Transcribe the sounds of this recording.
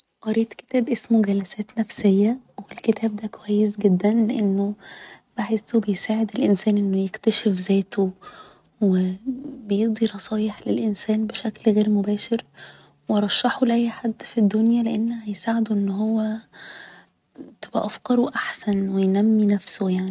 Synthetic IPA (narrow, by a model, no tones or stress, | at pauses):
ʔɑɾeːt̪ke̥t̪æːbʔesmuɡælæsæːt̪næfsejːæ | welket̪ʰæːb̚d̪æːkowæjːesɡed̪ːænleʔenːob̥aħesːobejsaːʕed̪elʔensæːnʔenːojekt̪æʃefzæːt̪o | webejeʔd̪ˤiɾˤɑsˤɑːjeħlelʔensæːnbeʃæklɣeːɾmobæːʃeɾ | weɾˤɑʃːɑħoleʔæjːħad̪ːfid̪ːonjæleʔenːhæjsaːʕed̪oʔenːɦowːæ | t̪ebʔæ̰ʔæfkɑɾˤoʔaħsænwejnæmːinæfsojaʕni